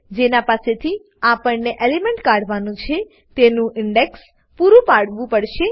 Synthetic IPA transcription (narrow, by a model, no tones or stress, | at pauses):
d͡ʒenapaset̪ʰi | apəɳneʔelemɛɳʈkaɽʋanũt͡ʃʰe | t̪enũʔɪɳɖeks | puɾũpaɽʋũpəɽʃe